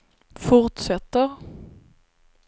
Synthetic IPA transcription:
fʊɾt̪sɛt̪ːəɾ

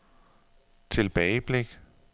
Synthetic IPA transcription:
t͡sʰe̝lb̥ɛɪb̥leɡ̥

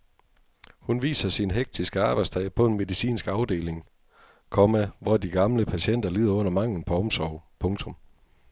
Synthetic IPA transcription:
hunʋḭːsɐsinɦeɡ̥̚d̥ʰisɡ̥əɑ̈ːb̥ɑ̈ɪst͡sʰɛ̰ɪpʰɒ̽e̝nme̝ðˠisḭːnsɡ̥ɑ̈ʊd̥e̝̰ːleŋ | kʰɒmæʋɒd̥iɡ̥ɑ̈mləpʰæɕen̰d̥ɐliːð̰ˠɐɔ̽n̰ɐmɑ̈ŋ̰ln̩pʰɒ̽ɒ̽msɒʊpʰɔ̽ŋt͡sʰɔ̽m

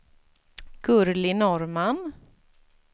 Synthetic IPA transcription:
ɡ̥ɵɾlɪnɔɾman

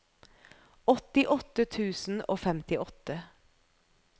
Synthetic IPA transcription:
ɔt̪ɪʔɔt̪ət̪ʰʉːsn̩o̰ːfɛmt̪ɪʔɔt̪ə

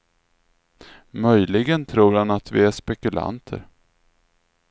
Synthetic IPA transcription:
mœjlɪɡənt̪ʰɾuːɾhanat̪vɪæʂpɛkɵla̰nt̪ʰə̰ɾ

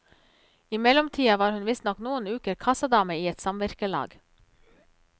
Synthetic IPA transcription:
ɪmɛlɔmt̪ʰiːɑʋɑːɾhʉnʋɪst̪nɔknuːənʉːkəɾkʰɑsɑd̪ɑːməiːɛt̪sɑmʋæɾkəlɑ̰ːɡ

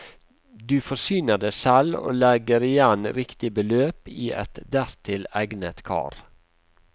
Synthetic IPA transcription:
d̪ʉːfɔsyːnəd̪əsɛlo̰ːlɛɡəɾɪjænɾɪkt̪ɪbəløːpiːʔɛ̰t̪d̪æɾt̪ʰɪlæɡnət̪kʰɑ̰ːɾ

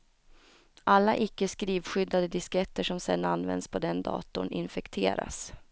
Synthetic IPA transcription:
ʔalːaʔɪkːəskɾiːvɧʏd̪ːad̪əd̪ɪskɛt̪ːəʂɔmsɛ̰nːanːvɛ̰nd̪spʰɔd̪ɛnd̪ɑ̰ːt̪ʊɳɪnfɛkt̪ʰeːɾa̰s

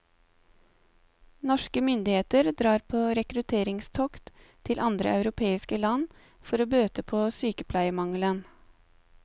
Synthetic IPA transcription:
nɔʃkəmʏnd̪ɪheːt̪əɾd̪ɾɑːɾpʰoːɾɛkɾʉt̪ʰeːɾɪŋst̪ʰɔkt̪t̪ʰɪlʔɑnd̪ɾə̰ʔɑʉɾʊpʰeːɪskəlɑn | fɔɾoːbøːt̪əpʰoːsyːkəpʰlæɪəmɑŋlən

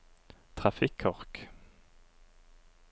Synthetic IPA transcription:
t̪ʰʁafikʰːɔʁk

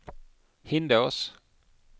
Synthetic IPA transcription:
hɪnd̪oʊs

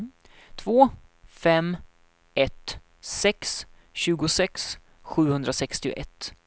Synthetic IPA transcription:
t̪ʰvoːfɛm | ɛt̪ | sɛks | ɕʉ̟ːɡʊsɛks | ɧʉ̟ːhɵnd̪ɾasɛkst̪ɪʊ̰ʔɛt̪ː

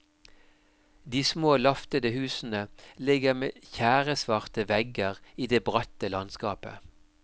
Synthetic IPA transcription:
d̪iːsmoːlɑft̪əd̪əhʉːsn̩əlɪɡəʁmḛːçæːʁəsʋɑʁt̪əʋɛɡəʁiːd̪eːbʁɑt̪əlɑnskɑːpə̰

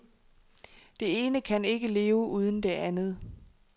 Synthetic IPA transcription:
d̥e̝e̝ːnəkʰæne̝ɡ̥əle̝ːʊʔuːð̞ˠən̩d̥e̝ʔænð̞̩ˠ

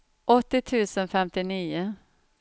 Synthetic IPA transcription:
ʔɔt̪ːɪt̪ʰʉ̟ːsənfɛmt̪ɪniːʊ

